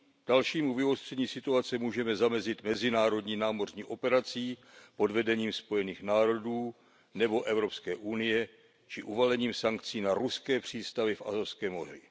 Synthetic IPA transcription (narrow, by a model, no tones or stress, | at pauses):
d̥alʃiːmuvɪɦost̪r̥ɛɲiːsɪt̪uat͡sɛmuːʒɛmɛzamɛzɪt̪mɛzɪnaːɾo̞dɲiːnaːmo̞r̝ɲiːʔo̞pɛɾat͡siːpo̞dvɛdɛɲiːmspo̞jɛniːxnaːɾo̞duː | nɛbo̞ʔɛvɾo̞pskɛːʔunɪjɛ | t͡ʃɪʔuvalɛɲiːmsaŋk̚t͡siːnaɾuskɛːpr̝̥iːst̪avɪfʔa̰zofskɛːmo̞r̝ɪ̰